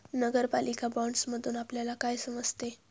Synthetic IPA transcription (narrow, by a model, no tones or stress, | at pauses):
nəɡəɾpalikabɔ̃ɳɖsməd̪ʱuːnapljalakajsəməd͡zʱt̪e